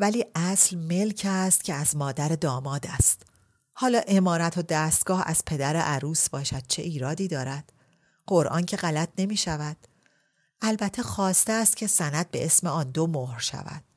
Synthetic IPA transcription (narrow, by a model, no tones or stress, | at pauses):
væliːʔæslme̞lcʰæst̪cʰe̞æzmɒːd̪æɾed̪ɒːmɒːd̪æst̪ | hɒːlɒːʔe̞mɒːɾæt̪ʰo̞d̪æːst̪̚ɡ̥ɒːhæ̰z̥pʰe̞d̪æɾeʔæɾuːsbɒːʃæd̪̥̚t͡ʃʰe̞̰ʔiːɾɒːd̪iːd̪ɒːɾæd̪̥ | ɢ̥o̞ɾʔɒ̰ːncʰe̞ɣælæt̪ʰne̞miːʃævæd̪̥ | ʔælbæt̪ʰːe̞xɒːst̪eːst̪̚cʲʰe̞sænæd̪̚be̞̰ʔe̞smeɒːnd̪omohɾʃæ̰væ̰d̪̥